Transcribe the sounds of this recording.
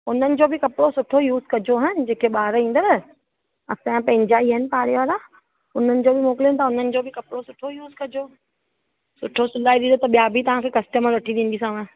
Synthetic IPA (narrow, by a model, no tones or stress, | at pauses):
ʊn̤ənɪ̆d͡ʑoːbɪkɐpɽosʊʈʰojuːzkɐd͡ʑoɦʊnɪ̆d͡ʑeːkeɓaːɾĩːn̆d̪əɾ | ɐsãpɐ̃ɦɪ̃ɲd͡ʑaiəɦənɪ̆paːɽeʋaːɾa | ʊn̤ənɪ̆d͡ʑoːbʱɪmoːkɪlənt̪aʊn̤ənɪ̆d͡ʑoːbʱɪkɐpɽosʊʈʰojuːzkɐd͡ʑoː | sʊʈʰosʊlaːiɗ̪ĩːd̪ot̪ɐɓijabʱit̪ɐʋ̤ãkʰekɐsʈəməɾʋɐʈʰiɗ̪ĩn̆d̪is̬ãːẽ